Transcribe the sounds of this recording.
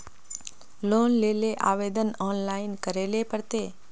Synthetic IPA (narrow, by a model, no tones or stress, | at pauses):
loːnleːleʔa̰ːʋeːd̪ənɔːnlaːɪnkəɾeːlepəɾt̪e